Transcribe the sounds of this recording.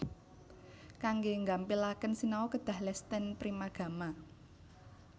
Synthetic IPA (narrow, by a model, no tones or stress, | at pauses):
kaŋɡeŋɡampilakənsinaokəd̪̥ä̤hlɛst̪ənpɾimaɡ̥ä̤ma